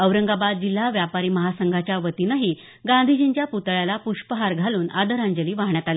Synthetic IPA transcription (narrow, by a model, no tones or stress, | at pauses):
əʋɾəŋɡabad̪̚d͡ʑilːaʋjapaɾiːməɦasəŋɡʱat͡ɕjaʋət̪inəɦiː | ɡand̪ʱid͡ʑiɲt͡ɕjaput̪ɭjalapuʂpəɦaɾɡʱaluːnʔad̪əɾãɲd͡ʑəliːʋaɦɳjat̪ale